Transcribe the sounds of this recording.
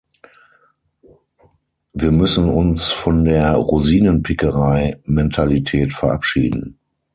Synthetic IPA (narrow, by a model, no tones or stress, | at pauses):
viːɐmʏsn̩ʊnsfɔndeːɐʁuziːnənpʰɪkəʁaɪmɛntʰalitʰɛːtfɛɐʔapʃḭːdn̩